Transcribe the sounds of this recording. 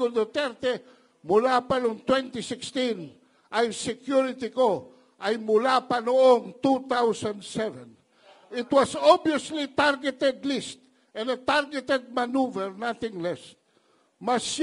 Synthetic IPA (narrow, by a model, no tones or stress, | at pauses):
od̪ot̪ɛɾt̪ɛ | mulapanoŋt̪wɛ̃nt̪isɪkst̪ĩn | ʔajsɛkjuɹɪt̪iko | ʔajmʊlapanooŋt̪ut̪awsãnd̪sɛvɛ̃n | ɪt̪wasobioslit̪aɾɡɛt̪ɛd̪list̪ | ɛ̃nd̪ət̪aɾɡɛt̪ɛd̪̚manuvɛɹnaθɪ̃ŋlɛs | mas